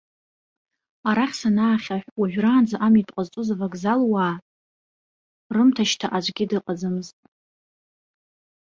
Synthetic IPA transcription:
aɾaχʲsanaːχʲaħʷᶣwuʒʷᶣraːnd͡zaʔamitʼqʼəzt͡sʼuzavaɡzalwaː | rɨmtʰaʃtʰaʔad͡ʒʷʼɡʲɪdɨqʼad͡zɨmɨztʼ

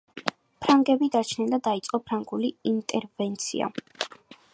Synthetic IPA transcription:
pʰɾaŋɡɛbid̪at͡ʃʰnɛnd̪ad̪ait̪sʼqʼɔpʰɾaŋɡuliint̪ʼɛɾvɛnt̪sʰḭa̰

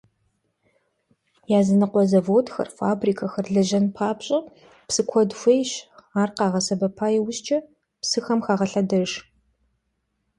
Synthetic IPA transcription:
jaːzɨnɨqʷɔzɐvoːtxɐ̰rfa̰ːbriːkʰɐxɐrɮɐʒɐnpʰaːpɕʼɐ | psɨkʷʰɔdxʷejɕaːrqɑːʁɐsɐbɐpʰaːjɛwʊɕt͡ʃʼɐ | psɨxɐmxaːʁɐɬɐdɐʒ

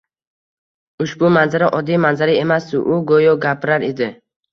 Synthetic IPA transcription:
ʊʃbʊmanzaɾaʔɒd̪ːijmanzaɾae̞masd̪ʊʔʊɡojɔɡʲapɪɾaɾed̪ɪ

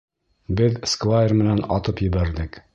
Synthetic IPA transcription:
bɘðskvˠajrmɘ̆nænɑt̪ɤpjɘ̆βæɾðɘk

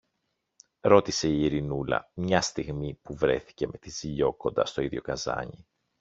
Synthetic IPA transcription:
ɾo̞t̪ise̞iːɾinulɐ̰mɲɐst̪iɣmipuvɾe̞θi̥ce̞me̞t̪iziʎo̞ko̞nd̪ɐst̪o̞iðʝo̞kɐzɐ̰ɲi

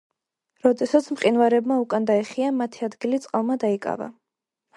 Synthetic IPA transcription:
ɾɔd̪ɛsat̪sʰmqʼinvaɾɛbmaukʼand̪aɛχiamat̪ʰiad̪ɡilit̪sʼqʼalˠmad̪aikʼa̰va̰

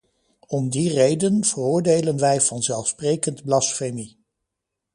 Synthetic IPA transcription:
ɔmdirejdənv̥ərʊːɹdejlənʋɛjv̥ɑnzɛlˠfsprejkəndblɑsfemi

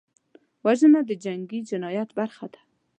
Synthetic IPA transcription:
wazənad̪əd͡ʒaŋɡid͡ʒɪnɑjat̪baɾxat̪ḁ

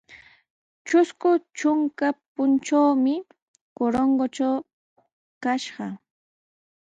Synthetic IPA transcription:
t͡ʃʊskʊt͡ʃʊŋkapʊnt͡ʃawmɪ | koɾoɴɢot͡ʃaw | kaʃɢɑ

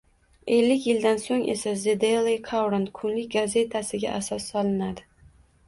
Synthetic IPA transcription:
e̞lːɪkʲjɪld̪ansoŋe̞̰sazɪd̪elˠejkʰawɾant̪kʰʊnlɪk̚ʲɡaze̞t̪ʰasɪɡʲa̰ʔasɒsːɒlɪnad̪ɪ

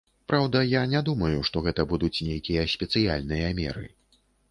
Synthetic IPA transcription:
pɾʔawd̪ɐjanʲɛd̪umɐjuʂt̪ɔɣɛt̪ɐbud̪ut͡sʲnʲejkʲijɐsʲpʲɛt̪sɨja̰lʲnɨjɐmʲɛ̰ɾɨ̰

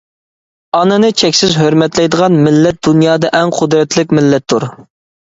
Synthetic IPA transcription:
ɑnɨnɨt͡ʃʰɛkʲsɪzɦøɾmɛt̪lɛjd̪əʁɑnmɪlːɛt̪̚d̪unjɑːd̪ɑʔɛŋqʰʊd̪ɾɛt̪ʰlɪk̚ʲmɪlːɛt̪ʰːuɾ

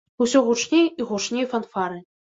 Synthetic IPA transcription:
usʲɔɣut͡ʂnʲejiɣuʂnʲejfɐnfaɾɨ

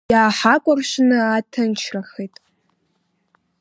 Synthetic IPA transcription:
jaːħakʷʼʊrʃʷnɨatʰɨnt͡ʃʰraχejtʼ

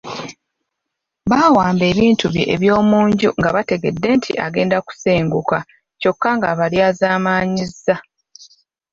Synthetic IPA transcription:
βaːwaːmbe̞ːβiːntuβjiʔḛβjo̞ːmuːɲɟuŋɡaβate̞ɡe̞dːe̞ntʰḭʔaɡe̞ːndaku̥seːŋɡuka | co̞kːaŋɡaβaljazaːmaːɲizːa

